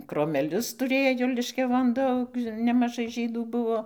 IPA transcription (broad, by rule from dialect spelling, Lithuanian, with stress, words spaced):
kroːmʲɛˈlʲʊs tʊˈrʲeːjoː lʲɪʃʲkʲɛˈʋoːn ˈdɐʊk nʲɛmɐˈʒɐɪ ˈʒʲiːduː ˈbʊʋoː